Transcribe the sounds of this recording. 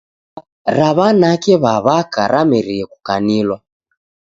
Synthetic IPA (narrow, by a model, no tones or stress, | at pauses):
ɾaβanakɛβaβakaɾʔamɛɾiɛku̥kanilwa